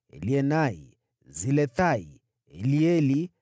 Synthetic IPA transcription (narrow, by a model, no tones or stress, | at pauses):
liɛnaḭ | zilɛθaḭ | liɛli